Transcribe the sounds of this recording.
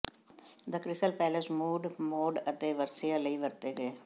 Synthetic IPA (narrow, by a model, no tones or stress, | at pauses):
d̪əkɾɪsəlpɛːləsmuːɖmoːɖət̪eːʋəɾsijaːləiːʋəɾt̪eːɡəeː